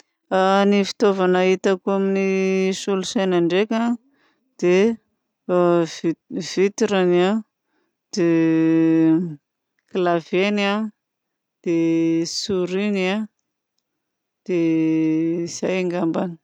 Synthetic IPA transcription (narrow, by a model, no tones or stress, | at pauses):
anifi̥t̪ovanaɦit̪akuaminisulusajnaɳɖ͡ʐekʲa | d̪̥e | v̥it̪iɾana | d̪̥e | klavena | d̪̥esuɾina | d̪̥e | iz̥ajeŋɡambani̥